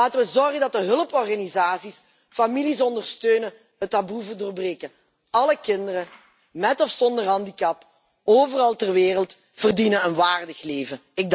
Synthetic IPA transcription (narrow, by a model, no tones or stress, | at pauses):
aːtəʋəzɔrɣəndɑt̚dəɦɵləpɔrɣanizaːsis | familis̬ɔndərstøːnə | ɦətːabuvərdoːrbreːkə | ɑləkɪndərə | mɛtɔfsɔndərɦɑndikɑp | oːvərɑlˠtərʋeːrəlˠt | v̥ərdinənənʋaːrdəxleːvəɪɡ̚d